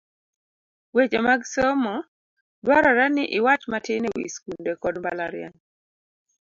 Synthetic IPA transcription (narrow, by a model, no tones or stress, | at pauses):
wet͡ʃemaɡsomɔ | dwaɾɔɾanɪʔɪwat͡ʃmatɪnewḭskundekɔdmbalaɾja̰n